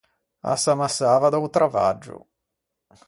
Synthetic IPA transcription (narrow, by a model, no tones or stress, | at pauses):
a̰samasːaːvad̪awt̪ɾava̰d͡ʒːʊ̰